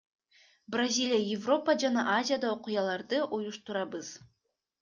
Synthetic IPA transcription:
brazʲilʲijajevro̞pad͡ʒanɑʔazʲijad̪ɑo̞qujɑlˠɑɾd̪ɯʔujuʃt̪uɾɑbɯz̥

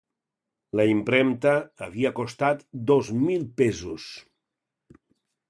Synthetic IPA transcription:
ləimpɾɛmt̪əːβ̞iakost̪at̪d̪ozmilˠpɛzus

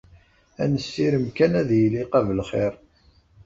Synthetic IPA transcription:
ænəsːiɾəmkænæðjəliqævlχeɾ

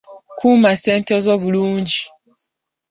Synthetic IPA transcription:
kʰumasɛntɔzɔβuluːɲd͡ʒi

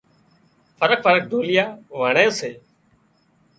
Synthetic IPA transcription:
fʰəɾək̚fəɾək̚d̪ʱoːlɪjaːʋəɳẽːseː

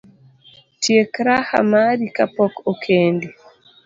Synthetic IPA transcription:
tjekɾaha̰maɾikapɔkokʰendi

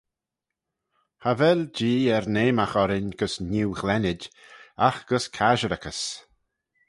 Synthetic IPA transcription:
havɛld͡ʒiːɛɾneːmaxɔɾɪnɡ̥əsniwxlɛnɪd͡ʒaxɡ̥əskʰaʒəɾɛkəs

